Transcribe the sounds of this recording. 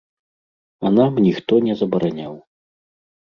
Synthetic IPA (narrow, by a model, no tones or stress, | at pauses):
ɐnamnʲixt̪ɔnʲɛzɐbɐɾanʲaw